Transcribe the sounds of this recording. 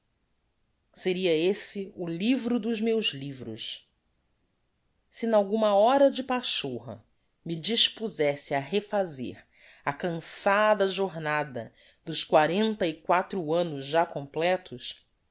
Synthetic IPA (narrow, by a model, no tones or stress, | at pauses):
seɾiɐesɪʊlivɾʊd̪ʊzmewzlivɾʊ̰s | sɪinawɡũmɐɔɾɐd͡ʒɪpaʃoɦɐ̰ | mid͡ʒiʃpuzɛsɪaɦefazḛɾ | ɐkɐ̃sad̪ɐʒoɾnad̪ɐ | d̪ʊskwaɾẽnt̪ɐikwat̪ɾʊɐ̃nʊzʒakõmplɛt̪ʊs